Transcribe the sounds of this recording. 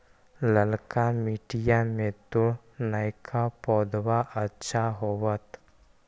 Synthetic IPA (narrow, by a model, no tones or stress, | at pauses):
ləlkamiːʈijamẽt̪o | naɪkʰapɔːd̪waʔətːʃʰaɦowət̪